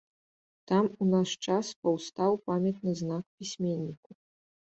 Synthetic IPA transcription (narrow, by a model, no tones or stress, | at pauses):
t̪amunaʂt͡ʂaspɐwst̪awpamʲɛt̪̚nɨznakpʲisʲmʲenʲːiku